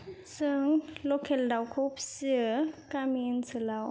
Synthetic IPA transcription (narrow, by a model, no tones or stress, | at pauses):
sɯŋlokʰeldawkʰup̚sɯkamiːʔɯnsɯlaw